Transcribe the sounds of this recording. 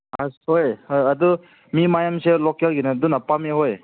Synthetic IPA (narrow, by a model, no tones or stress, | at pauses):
ashojhojɐd̪u | mimajamselokelɡinad̪unɐpameɦoj